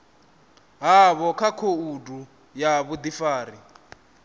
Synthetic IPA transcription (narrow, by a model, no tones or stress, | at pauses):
ɦaβɔkʰakʰoudʼu | jaβud̪ifaːri